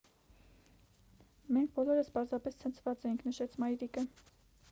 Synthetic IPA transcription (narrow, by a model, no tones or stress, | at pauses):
mɛŋk̚ʰb̥ɔlɔɾəspɑɾzɑpɛst͡sʰənt͡sʰvɑt͡sɛjiŋkʰnəʃɛt͡sʰmɑjɾikə